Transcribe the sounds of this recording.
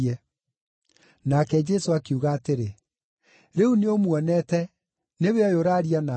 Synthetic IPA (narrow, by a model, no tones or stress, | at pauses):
ɛ | nakɛd͡ʒɛsoakeuɣaːteɾe | ɾeuneomwɔnɛtɛ | neweɔjoɾaɾiana